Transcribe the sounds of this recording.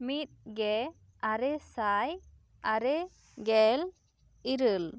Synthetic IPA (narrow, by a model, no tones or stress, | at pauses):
mit̪̚ɡɛ | aɾɛsaj | aɾɛ | ɡɛl | iɾəl